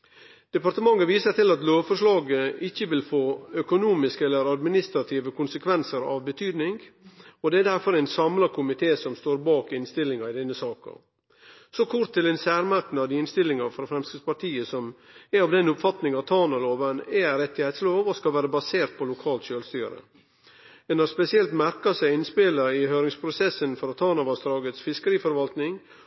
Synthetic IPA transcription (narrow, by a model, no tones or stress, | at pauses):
d̪̥ɛpɑɾt̪əmɑŋːəʋiːsəɾt̪ɪlɑt̪loːʋfɔɾʂɭɑːɡəɪçːəʋɪlfoːœkʊnuːmɪskəɛlːəɾɑd̪mɪnɪst̪ɾɑt̪ʰiːʋəkʰʊnsəkʰʋɛnsəɾɑ̰ʋbət̪ʰyːd̪nɪŋɡɔd̪ɛæd̪æɾfɔɾɛɪnsɑmlɑkʰʊmɪt̪ʰeːsɔmst̪oːɾbɑːkɪnst̪ɪlɪŋɑɪd̪ɛnːəsɑːkɑ̰ | sɔkʰʊɾt̪ʰːɪlɛnsæːɾmɑɾk̪n̩ɑʋd̪ɪɪnst̪ɪlːɪŋɑfɾɔfɾɛmskɾɪd̪spɑʈ̪ʰiːəsɔmæɑʋd̪ɛnʊpfɑt̪nɪŋɑt̪ʰɑːnɑloːʋənɛɾɛt̪ːɪhɛɪt̪sloːʋɔskɑlʋæːɾəbɑseːɾt̪̚pʰɔlʊkʰɑːlt̪ʃøːlst̪y̰ːɾə̰ | ɛnɑspɛsɪɛlt̪mæɾkɑsæɪɪnspɪləɪhøːɾɪŋspʰɾʊsɛsənfɔɾɔt̪ʰɑːnɑʋɑsd̪ɾɑːɡət̪sfɪskəɾiːfɔɾʋɑlt̪nɪŋ